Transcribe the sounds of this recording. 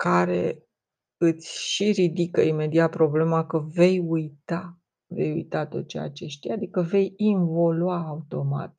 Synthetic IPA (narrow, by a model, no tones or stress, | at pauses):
kaɾe̞̰ | ɨt̪sʲʃiɾid̪ikəime̞d̪iat̪̚pɾo̞ble̞makəve̞jujt̪a | ve̞̰jṵjt̪at̪o̞t̪t͡ʃeja̰t͡ʃe̞ʃt̪iad̪ikəve̞jinvo̞luaːut̪o̞ma̰t̪